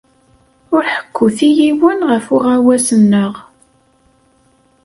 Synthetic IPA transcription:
ʊɾħə̥kʰːʊθijiwənʁəfʊʁæwæsənːəʁ

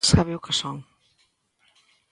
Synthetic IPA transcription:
saβɪʊkɪsɔŋ

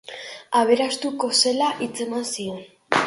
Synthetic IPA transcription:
aβ̞e̞ɾast̪uko̞se̞laʔit͡se̞mansio̞n

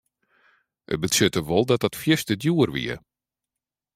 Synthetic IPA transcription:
ʔə̰bəsøtəʋɔlˠdɔt̚dɔtfjɪstədjuərʋḭə̰

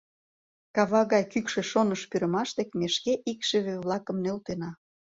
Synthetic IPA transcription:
kɑβɑɣɑjkykʃĕʃonəʃpyɾə̆mɑʃt̪ekmeʃkeʔikʃĕβeβlˠɑkə̆mnølt̪enɑ

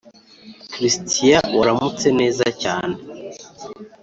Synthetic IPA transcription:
kɾistʰijawaɾamut͡se̞ne̞ːzaca̰ːne

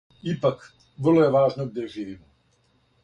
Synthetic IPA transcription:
ipak | ʋr̩lˠojeʋaːʒnoɡ̚d̪jeʒiːʋiːmo

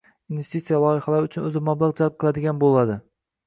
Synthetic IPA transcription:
invest̪it̪sijalˠɒjɪhalaɾʊt͡ʃʰʊnɵzɪmablˠɑʁd͡ʒalˠp̚qʰɨlˠad̪ɪɡʲanbolˠad̪ɪ

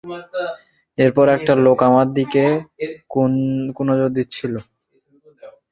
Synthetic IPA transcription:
eɾpɔɾɛk̚ʈalokamad̪ike | kunod͡ʑoɾd̪it̪ːt͡ɕʰilo

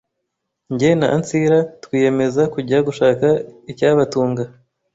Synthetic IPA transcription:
ɲɟena̰ant͡siɾatwiːje̞me̞zakuɟaɡuʃaːkaicaβatuːŋɡa

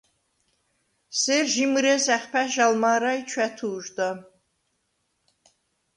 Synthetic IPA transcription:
sɛɾʒimɨɾɛzæχpʰæʒalmaːɾajt͡ʃʰwæt̪ʰuːʒd̪a

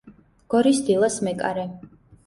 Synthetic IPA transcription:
ɡ̥ɔɾisd̪ilˠasmɛkʼa̰ɾɛ

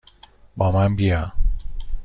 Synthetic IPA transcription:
bɒːmanbija

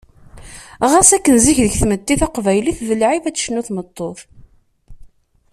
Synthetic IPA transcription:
ʁæsækːənziçðəçθməd̪ːiθɑqvæjliθvəlʕifæt͡sːʃnuθmət̪ˤːoθ

